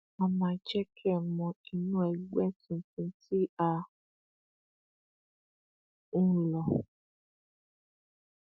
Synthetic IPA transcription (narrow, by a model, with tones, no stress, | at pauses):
mɔ˧mãː˧˦d͡ʒɛ˦kʰɛ˦˨mɔ̃˧i˧nũ˦ɛ˨ɡ͡bɛ˦tĩ˧˨tũ˧ti˦a˧ | ũ˦lɔ˨